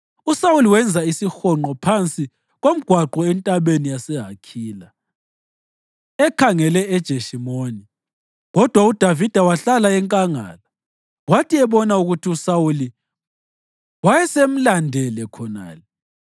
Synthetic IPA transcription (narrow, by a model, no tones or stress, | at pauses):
usawuliwɛnd͡zʱaisixɔŋ͡ǃɔpʰant͡sʼi | ɣom̩ɡ̥ʱwaǃɔɛntʼaβenijasɛɦakʰiːla | ɛkʰaŋɛlɛɛd̥ʒ̥ʱeʃimoːni | ɣɔd̥ʱwaud̥ʱavid̥ʱawaɬalaɛŋkʼaŋa̰ːla | watʰiɛβɔnauɣutʰiusawuli | wajɛsem̩landʱɛlɛkʰɔna̰ːlɛ